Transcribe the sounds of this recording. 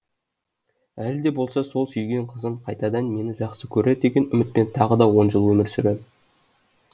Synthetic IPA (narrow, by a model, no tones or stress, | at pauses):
æld̪e̞bo̞lˠsɑso̞lˠsʏjɡʲe̞ɴqʰəzəmqʰɑjt̪ɑd̪ɑnme̞nɪʒɑqsəkʲʰɵɾed̪e̞ɡʲe̞nʏmɪt̪̚pe̞nt̪ʰɑʁəd̪ɑwo̞nʒəlˠwɵmɪɾsʏɾem